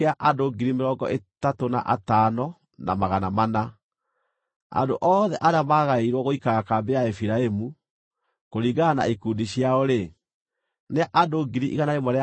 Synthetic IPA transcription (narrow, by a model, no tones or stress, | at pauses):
eaʔadoɡiɾimeɾɔːŋɡɔ̰ʔetatona̰ʔa̰tanɔ | na̰maɣanamana | a̰ndoʔɔːðɛʔaɾeamaːɣaeiɾwɔɣoikaɣakaːmbeaefiɾaemu | koɾiɡana̰ekuːndiɕjaɔɾe | neaʔadoɡiɾiʔiɣanaemɔɾea